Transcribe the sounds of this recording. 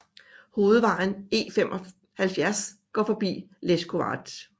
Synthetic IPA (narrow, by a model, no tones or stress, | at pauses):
ho̝ːð̞̩ˠʋɑ̈n̩e̝̰ːfem̰ʔɒ | hælfjæɐsɡ̥ɒ̰fɒ̽b̥ḭːlesɡ̥ʰo̝ɑ̰̈d̥